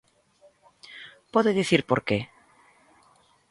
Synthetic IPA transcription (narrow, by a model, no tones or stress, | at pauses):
poðeðiθiɾpoɾke